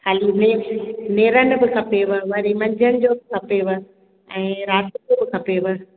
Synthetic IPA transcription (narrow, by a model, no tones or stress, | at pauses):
kʰaːlineneːɾənɪ̆bɪkʰɐpeʋɪ̆ʋɐɾimɐ̃ɲd͡ʑʱənɪ̆d͡ʑoːbɪkʰɐpeʋɪ | ɛ̃ːɾaːt̪ɪd͡ʑoːbɪkʰɐpeʋɪ̆